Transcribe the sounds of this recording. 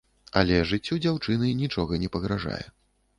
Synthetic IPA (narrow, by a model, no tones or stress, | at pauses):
a̰lʲɛʐɨt͡sʲːud͡zʲawt͡ʂɨnɨnʲit͡ʂɔɣɐnʲɛpɐɣɾaʐa̰jɛ̰